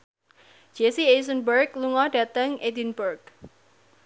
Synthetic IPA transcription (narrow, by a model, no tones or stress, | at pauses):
d͡ʒ̥esies̬ənbərkluŋɔd̥ät̪əŋʔed̪inburk̚